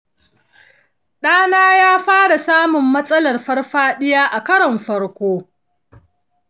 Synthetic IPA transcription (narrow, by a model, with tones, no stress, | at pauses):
ɗaː˦naː˦jaː˦ɸaː˦ɽa˨saː˦mʊ˨mːɐ˦sʼɐ˦lɐ˨rɸɐ˦rɸaː˦ɗɪ˦jaː˦ʔa˨kɐ˦ɽɐ˨mɸɐ˦rkʷoː˦